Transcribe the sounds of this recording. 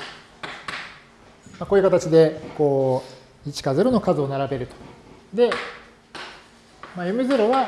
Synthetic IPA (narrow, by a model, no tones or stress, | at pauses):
makoːjɯ̟kat̪at͡ɕid̪e̞ko̞ː | it͡ɕi̥kazɨɾo̞no̞kazɨonaɾabe̞ɾɯ̟t̪o̥d̪e̞ | majɯmizɨɾo̞βa